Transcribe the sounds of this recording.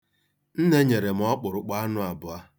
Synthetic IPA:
n̩˦ne˦ɲe˨ɾe˨m̩˨˦ɔ˦k͡pʊ˨ɾʊ˨k͡pa˦a˦nʊ˦a˨bʊ˨a˦

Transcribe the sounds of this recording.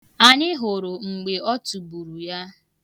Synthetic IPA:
a˨ɲɪ˦ɦʊ˨ɾʊ˨ŋ͡m̩˨ɡ͡be˨ɔ˦tu˨bu˨ɾu˨ja˦

